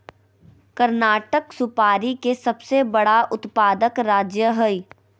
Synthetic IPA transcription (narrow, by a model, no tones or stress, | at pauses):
kəɾnaːʈəksʊpaːɾikesɐbsebɐɽaʔʊt̪paːd̪əkɾaːd͡ʒjəɦəi